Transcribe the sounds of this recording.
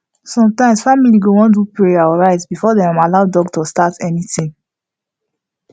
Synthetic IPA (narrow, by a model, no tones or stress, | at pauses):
sɔ̃mtãɪ̃msfamiliɡowɔ̃ndupɹeaɹaɪtbifɔdɛãmalaʊdɔɡtostatɛnitĩŋ